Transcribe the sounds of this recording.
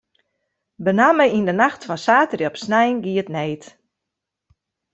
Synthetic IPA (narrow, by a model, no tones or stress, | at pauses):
bənaməindənaxtfɔnsaːtərjɔpsnɛjnɡiətneːt